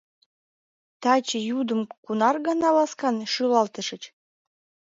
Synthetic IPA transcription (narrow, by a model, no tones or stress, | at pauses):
t̪ɑt͡ɕə̆jud̪əmkunɑrɣɑnɑlɑskɑnʃylɑlt̪ə̆ʃə̆t͡ɕ